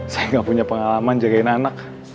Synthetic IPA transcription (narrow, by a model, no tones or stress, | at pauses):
sajaŋɡaʔpuɲapəŋalamand͡ʒaɡainanak